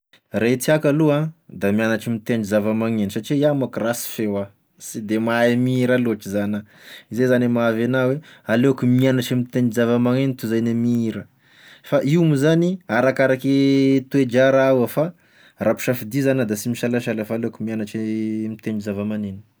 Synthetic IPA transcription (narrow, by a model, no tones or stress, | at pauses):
ret͡s̪iakaluãd̪amianaʈ͡ʂimit̪eɳizavamaŋenisaʈ͡ʂiamakrasi̥fewa | sid̪emaemiiɾaluaʈ͡ʂizana | izezanemavanawealeakumianaʈ͡ʂimit̪enizavamaŋenit̪uzajnemiiɾə | faʔiwmizaniaɾakaɾaket̪ued͡ʒaɾawafa | rapu̥ʃafid̪izanad̪asimiʃalaʃalafaloakumianaʈ͡ʂimit̪eɳɖ͡ʐizavamaneni̥